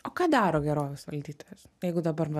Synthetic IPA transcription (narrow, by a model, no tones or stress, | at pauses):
oːkɑːd̪ɑːɾoːɡʲɛɾoːʋʲɛsʋɐ̰lʲd̪ʲiːt̪oːjʲɛsjɛɪɡʊd̪ɐbɐɾʋɐ